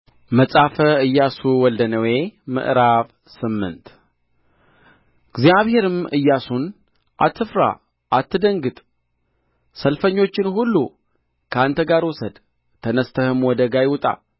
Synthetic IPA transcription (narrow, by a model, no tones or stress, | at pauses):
məsʼafəɨjːasuwɔld̪ənəwe̞mɨ̰ʔɾaβ | sɨmːɨ̰nt̪ | ɡzijaβhe̞ɾɨmɨjːasun | ʔat̪ʰːɨfɾa̰ | ʔat̪ːɨd̪əŋɡɨt̪ʼ | səlfəɲːo̞t͡ʃːɪnhulːṵ | kʰəant̪ʰəɡaɾwɔsəd̪ | t̪ʰənəst̪ʰəhɨmwɔd̪əɡajɪwt̪ʼa̰